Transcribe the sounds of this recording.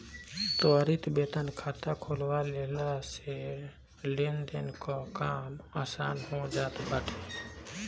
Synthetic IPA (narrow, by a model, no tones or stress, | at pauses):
t̪oɾit̪bet̪ənkʰaːt̪akʰolwalelase | lend̪enkokaːmaːsaːnɦod͡ʒaːt̪bəʈʰe